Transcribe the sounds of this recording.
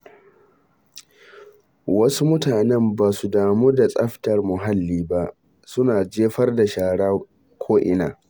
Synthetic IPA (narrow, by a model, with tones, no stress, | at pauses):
wɐ˦su˦mʊ˦taː˨nɛ˦mbaː˨su˦daː˨moː˦da˨sʼɐ˦ɸtɐ˨rmʊ˨ɦa˦lːiː˦ba˦ʔ | sʊ˦naː˨d͡ʒeː˦ɸɐ˦rda˨ʃaː˨ɽaː˦ | kʷʰoː˦ʔɪ̰˦˨naː˨